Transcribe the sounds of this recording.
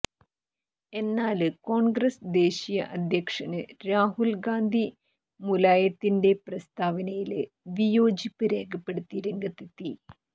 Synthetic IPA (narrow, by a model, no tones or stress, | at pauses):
e̞nːaːlko̞ːɳɡɾɐsd̪e̞ːɕijɐ̰ʔɐd̪ʱjɐkʂɐnɨɾaːɦulɡaːnd̪ʱi | mulaːjɐt̪ːinde̞prɐst̪ʰaːʋɐnɐjil | ʋijo̞ːd͡ʑipːɨɾe̞ːɡɐpːeɽut̪ːiɾeŋɡɐt̪ːit̪ːi